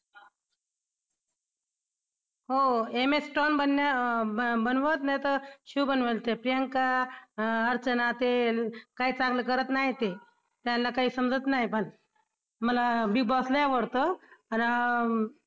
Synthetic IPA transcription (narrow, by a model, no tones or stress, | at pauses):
ɦoemesʈɔnbənja | bənʋət̪najt̪əɕuːbənʋəlt̪epɾijəŋka | əɾt͡sənat̪ekaɦiːt͡saɡləkəɾət̪naɦit̪e | t̪janːakaɦiːsəmd͡zət̪naɦjpəɳ | məlabibɔsləjaʋəɽt̪əana